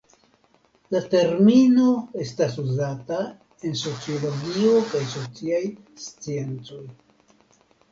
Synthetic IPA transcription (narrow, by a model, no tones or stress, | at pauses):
late̞ɾmino̞e̞stasuzata | e̞nso̞t͡sio̞lo̞ɡio̞kajso̞t͡siaj | st͡sie̞nt͡so̞j